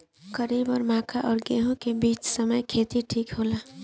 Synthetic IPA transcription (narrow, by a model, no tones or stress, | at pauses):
kəɾibɔːɾmãːkʰaʔɔːɾɡeɦõkebiːt͡ʃsəməjkʰeːt̪iʈʰiːkɦoːla